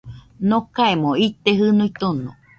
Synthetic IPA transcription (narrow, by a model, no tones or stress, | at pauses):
nokaemoit̪eɦɨnũit̪onõ̰